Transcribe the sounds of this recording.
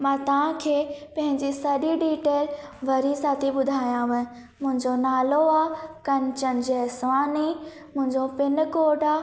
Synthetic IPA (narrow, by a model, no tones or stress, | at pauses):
mãːt̪ɐʋ̤ãkʰeːpɐ̃ɦɪ̃ɲd͡ʑisɐɗiɖiːʈeːlʋɐɾisaːt̪ʰiɓʊd̪ʱaːijãʋɐɪ̃ | mʊ̃ɦɪ̃ɲd͡ʑonaːloaːkɐnt͡ɕənɪ̆d͡ʑesʋaːni | mʊ̃ɦɪ̃ɲd͡ʑopɪnkoːɖaː